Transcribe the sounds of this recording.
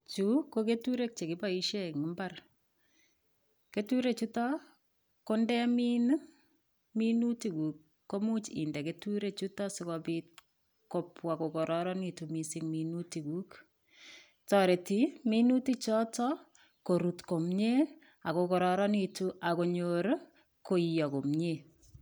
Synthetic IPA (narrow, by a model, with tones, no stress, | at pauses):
t͡ʃukoke˦tuɾe˦k̚t͡ʃe˨kɪ˦ba˦i˦ʃe˦ŋi˨mba˦r | ke˦tu˦ɾe˦t͡ʃu˦tɔ˦ | ko˦ndɛ˦mi˦n | mi˦nu˦ti˨kuː˨kː | o˦mu˦t͡ʃḭ˨ndɛ˨ke˦tu˦ɾe˦˨t͡ʃu˦tɔ˦sɪkɔpit̚ | ko˨pwa˨ko˨kɔ˨ɾʔɔɾɔni˨tumisi˦ŋminu˦ti˨ku˦k | tɔɾe˨ti˨minu˦ti˦t͡ʃɔ˦tɔ˦ | ko˨ɾu˨tko˨mɲe˦ | a˨ko˨kɔ˨ɾɔɾɔ˦ni˨tu˦ʔa˨ko˨ɲoɾ | ko˦ijɔ˨ko˨mɲe˨